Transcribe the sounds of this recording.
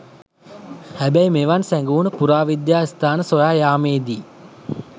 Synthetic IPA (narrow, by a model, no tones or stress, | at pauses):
hæbæjmeʋansæŋɡuːnəpuɾaːʋid̪jaːist̪aːnəsojaːjaːmeːd̪iː